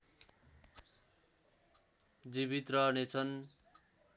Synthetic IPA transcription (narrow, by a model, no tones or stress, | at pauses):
d͡ziβit̪rʌɦnet͡sʰʌn